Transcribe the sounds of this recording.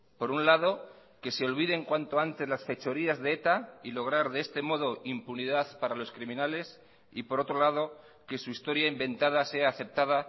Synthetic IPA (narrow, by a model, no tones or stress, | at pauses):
po̞ɾunlað̞o̞ke̞se̞o̞lβiðe̞ŋkwant̪o̞ant̪e̞zlasfe̞t͡ʃo̞ɾiazðeet̪ailo̞ɣ̞ɾaɾðee̞st̪e̞mo̞ð̞o̞ʔimpuniðaðpaɾalo̞skɾimĩnale̞s | ipo̞ɾo̞t̪ɾo̞lað̞o̞ | ke̞suist̪o̞ɾjaimbẽ̞nt̪aðase̞aːθe̞p̚t̪aða